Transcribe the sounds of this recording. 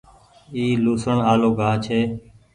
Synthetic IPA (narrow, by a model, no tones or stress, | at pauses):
iːluːsəɳaːloːɡʱaːt͡ʃʰeː